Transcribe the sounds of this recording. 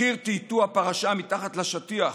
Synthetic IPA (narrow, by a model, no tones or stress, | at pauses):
iʁt̪it̪uapaʁaʃamit̪aχat̪laʃat̪ia